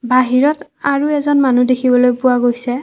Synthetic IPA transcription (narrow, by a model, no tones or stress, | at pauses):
baɦiɹɔt | aɹuɛzɔnmanudekʰibɔlojpʊwaɡojsɛ